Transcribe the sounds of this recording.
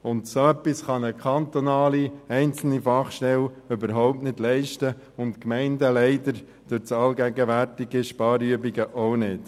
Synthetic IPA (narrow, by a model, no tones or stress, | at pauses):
ʊndsoœpːisχɑnəkʰχɑnt̪onɑːliɛɪnt͡sl̩nifɑχʃtɛløbəɾɦɔʊp̚tnɪdlɛɪʃtə | ʊntkmɛɪndəlɛɪdəɾ | d̥øt͡sɑlɡæɡəʋærtiɡiʃpɑːɾyəbiɡəʔoʊnɪd̥